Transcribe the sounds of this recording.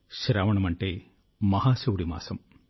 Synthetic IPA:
ɕɾaːʋɐɳɐmɐɳʈeː | mɐɦaːsɐʋuɽima̰ːsɐm

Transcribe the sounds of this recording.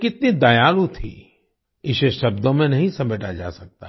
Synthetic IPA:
kɪt̪nid̪ajaːlut̪ʰḭ | ɪʃeʃɐbd̪õmẽnɐɦĩsɐmeːʈad͡ʒa̰ːsɐk̚t̪a

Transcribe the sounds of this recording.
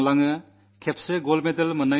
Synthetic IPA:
laŋɯ | kʰep̚ʰsɯɡolmedɐlmɐna

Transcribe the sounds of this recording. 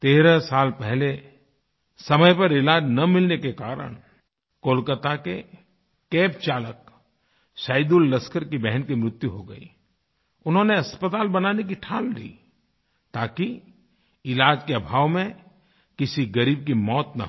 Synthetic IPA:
t̪eːɾəsaːlpɛɦle | sɐməjpɐɾɪlaːd͡ʒnɐmɪlnekekaːɾə̰ɽ̃ | koːlkət̪ake | keːpt͡ʃaːlək | ʃaːɪd̪ulːɐskəɾkibɛɦənkimɾɪt̪juɦoɡɐ̰ḭ | ʊnɦõneɐspət̪aːlbɐnaːnek̬iʈʰaːllḭː | t̪aːki | ɪlaːd͡ʒkeɐbʱaːʋmẽ | kɪsiɡɐɾiːb̚kimɔːt̪nɐ̰ɦ

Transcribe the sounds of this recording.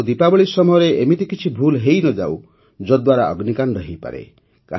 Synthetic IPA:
d̪ipabɔɭisɔmɔjɔɾeʔemit̪ikit͡ʃʰibʱulɦejnɔd͡ʒa̰w | d͡ʒɔd̪waɾaɔ̰ɡnikanɾɔɦejpa̰ɾḛ | ka̰

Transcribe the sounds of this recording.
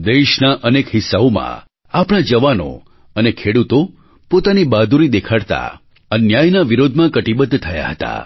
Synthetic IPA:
d̪eʃnaʔənekɦɪsːaomã̰ | apɽ̃ad͡ʒəʋano̰ | ənekʰeɽut̪o | pot̪anibad̪ʱuɾid̪ekʰaɽt̪a̰ | ənjajnaʋiɾod̪ʱmãkəʈibəd̪t̪ʰəja̰ɦət̪a̰

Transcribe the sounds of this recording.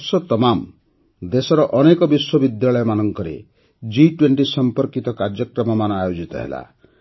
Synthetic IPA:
sɔt̪ɔmam | d̪esɔɾɔʔɔnekɔbiswɔbid̪jaɭɔjɔmanɔŋkɔɾḛ | d͡ʒiʈweɳʈisɔmpɔɾkit̪ɔkaɾd͡ʒjɔkɾɔmɔmanɔ̃ajod͡ʒit̪ɔ̰ɦḛla̰

